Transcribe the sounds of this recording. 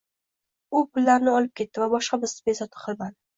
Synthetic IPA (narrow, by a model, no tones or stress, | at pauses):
ʊpʊlːaɾnɪɒlˠɪp̚kʲʰe̞t̪ːɪvabɒʃqɑbɪzt̪ɪ̥bezɒt̪ʰɪ̥qʰɨlˠman